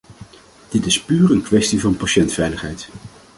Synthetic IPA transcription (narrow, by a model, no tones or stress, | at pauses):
d̥ɪtɪspyːrənkʋɛstivɑnpaʃɛntfɛjləχɦɛjt